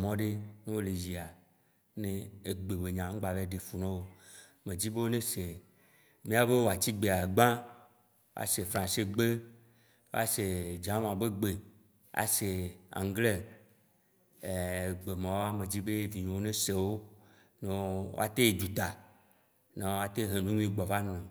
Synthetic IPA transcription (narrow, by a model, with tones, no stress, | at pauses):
mɔ̃˦ɖe˦nẽ˦wo˦le˨zi˨a˨ | nẽ˦e˨ɡ͡be˨be˨ɲã˨ŋ̩˦ɡ͡ba˨ve˦ɖe˨fu˨nã˦wo˦ | mẽ˨d͡ʑi˦be˦wo˦nẽ˦se˨ | mĩ˦a˨be˦wo˨a˨t͡ɕi˦ɡ͡be˨a˨ɡ͡bã˦ | wa̰˨se˨fɾã˨se˦ɡ͡be˦ | wo˦a̰˦se˨d͡ʒã˦m˦˨ã˨be˦ɡ͡be˨ | a̰˨se˨a̰˨ŋ˦ɡle˦˨ | ɡ͡be˨mã˨wo˦a˦mẽ˨d͡ʑi˦be˦vi˨ɲõ˨wo˦nẽ˦se˨wo˦ | nẽ˨wo̰˦a̰˨t̪e˦e˨d͡ʒu˨t̪a˨ | na˨˦o˦a˦t̪e˦ɦe˨nũ˦ɲũ˦ĩ˦˨ɡ͡bɔ˨va˦nɔ̃˨